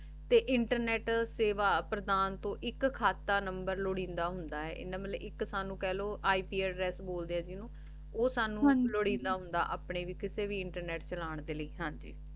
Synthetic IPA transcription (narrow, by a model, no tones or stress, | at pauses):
t̪eːʔɪɳʈəɾnɛːʈseːʋaːpɾəd̪aːnt̪õːʔɪkkʰːaːt̪ːaːnəmbəɾloɽĩːnd̪aːɦʊnd̪aːɦɛ̰ːʔɪ̰nːãːmət̪leʔɪksaːnũːkɛːloːʔaːiːpiːɛːɾɾɛːsboːld̪eːɛːd͡ʒiːnõː | oːsaːnũːloːɽĩːnd̪aːɦʊnd̪a̰ːʔa̰ːpɳeːʋiːkɪseːʋiːɪɳʈəɾnɛːʈt͡ʃəlaːɳd̪eːləiːɦãːd͡ʒiː